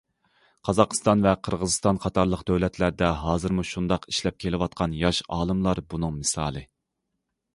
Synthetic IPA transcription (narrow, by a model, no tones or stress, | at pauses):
qʰɑzɑqʰst̪ɑnvɛqʰəɾʁəzɨst̪ɑnqʰɑt̪ʰɑɾlˠəqd̪øwlɛt̪ʰlæɾd̪ɛɦɑːzɨɾmuʃund̪ɑqi̥ʃlɛp̚kʲʰelɪwɑt̪̚qʰɑnjɑʃɑ̰ːlˠɨmlˠɑɾbunɨŋmɨsɑ̰ːlˠɨ